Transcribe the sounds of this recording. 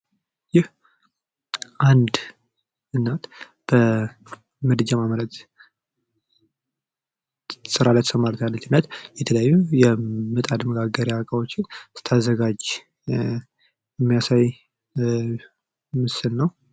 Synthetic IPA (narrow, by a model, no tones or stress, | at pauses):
jɪh | ʔand̪ | ʔɨnːat̪ | b̥ə | mɨd̪ɨd͡ʒamamələt̪ | sɨɾalajt̪əsəmalt̪jalːət̪ɨnːət̪jɛt̪ʰələjajːujɛmɨt̪ʼad̪məɡaɡəɾjaakʼawo̞t͡ʃːɪnsɨ̥t̪ʰazːəɡad͡ʒ | ɛmːijasaj | mɨsɨlnəw